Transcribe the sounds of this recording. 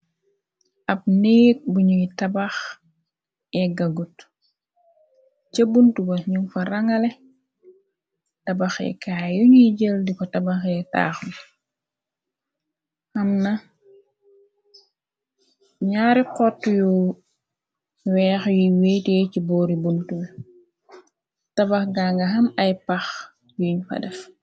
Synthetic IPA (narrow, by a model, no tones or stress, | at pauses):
ɐb̚neːk̚buɲuitabax | ɛɡɐɡut | cəbuntubɐɲufɐɾɐŋɐle | tɐbaxɛ̰kaːjuɲuɟəldikɔtabaxɛta̰ːxn | ɐmnɐ | ɲaːɾiqɔtːuju | wɛːxjuwɛtɛcibɔːɾibuntubɐ | tɐbɐxɡaŋɡɐɦɐmɐjpɐx | juɲfɐ̰dɛf